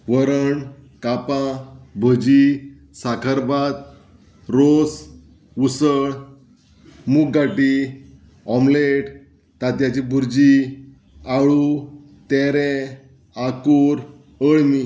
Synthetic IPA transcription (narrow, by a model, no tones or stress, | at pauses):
ʋəɾəɳ | kapãbʱəd͡ʑi | sakʰəɾbat̪̚ | ɾos | usəɭ | muk̚ɡaʈi | ɔmleʈ | t̪at̪jat͡ɕibʱuɾd͡ʑi | aɭu | t̪ɛɾɛ̃ | akuɾ | əɭmi